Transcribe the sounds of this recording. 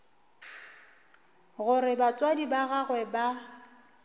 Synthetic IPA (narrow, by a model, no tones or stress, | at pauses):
ɣʊɾɪbat͡sʼwadibaɣaɣwɛba